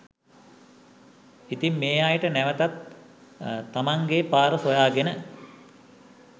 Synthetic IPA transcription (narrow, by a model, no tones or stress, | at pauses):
it̪imːeːajəʈənæʋət̪at̪ | amaŋɡepaːɾəsojaːɡenə